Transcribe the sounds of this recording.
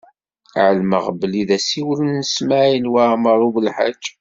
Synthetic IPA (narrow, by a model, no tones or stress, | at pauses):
ʕəlmə̰ʁbəliðæsiwlənːsmaʕjənwaməɾˤuvəlħa̰d͡ʒː